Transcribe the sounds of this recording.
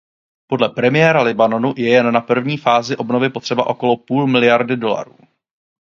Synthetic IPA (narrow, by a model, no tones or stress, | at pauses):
po̞dlɛpɾɛmɪjɛːɾalɪbano̞nujɛjɛnːapr̩vɲiːfaːzɪʔo̞bno̞vɪpot̪r̥ɛbaʔo̞ko̞lopuːlmɪlɪjaɾdɪdo̞la̰ɾṵː